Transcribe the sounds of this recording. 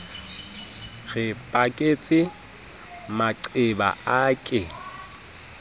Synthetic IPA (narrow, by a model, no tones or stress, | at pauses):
ɣɪpʼakʼet͡sʼɪ | maǀɪba̰akʼɪ